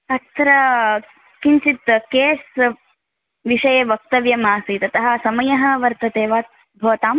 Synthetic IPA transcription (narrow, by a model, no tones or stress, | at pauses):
ɐt̪ɾɐ | kint͡ʃit̪keːs | ʋiʂɐjeːʋɐk̚t̪ɐʋjɐmaːsit̪ɐt̪ɐɦɐ̆sɐmɐjɐɦɐ̆ʋɐɾt̪ɐt̪eːʋaːt̪̚ | bʱɐːt̪aːm